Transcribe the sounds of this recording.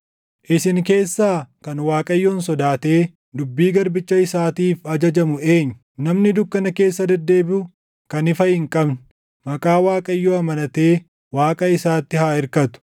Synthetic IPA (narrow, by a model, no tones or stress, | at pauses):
ʔɪsɪŋke̞ːsːaːkɐnwaːkʼɐjːoːnsɔd̪aːt̪e̞ː | d̪ʊbːiːɡɐɾbɪt͡ʃːɐɪsaːt̪iːfɐd͡ʒɐd͡ʒɐmʊe̞ːɲːʊ̥ | nɐmnɪd̪ʊkːɐnɐke̞ːsːɐd̪ɛd̪ːe̞ːbɪʊ | kɐnɪfɐhɪŋkʼɐbn | mɐkʼaːwaːkʼɐjːoːɐmɐnɐt̪e̞ː | waːkʼɐɪsaːt̪ːɪhaːɪɾkɐt̪ʊ̥